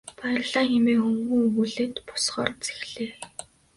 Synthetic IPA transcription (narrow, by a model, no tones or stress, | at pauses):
pæ̆ːɮaːxemeːxɵŋɡuːɣuɮeːt̪pʊ̥sχɔːrt͡se̥xɮeː